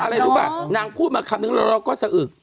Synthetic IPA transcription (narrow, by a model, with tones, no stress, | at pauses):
ʔa˧ɾa˧jɾuː˦ba̰ː˧˩naː˧ŋpʰuː˥˩t̪̚maː˧kʰa˧mnɯ˦ŋlɔ˧˦ɾɔː˦˥˩kɔː˥˩sa˨˧˩ʔɯː˨˩k̚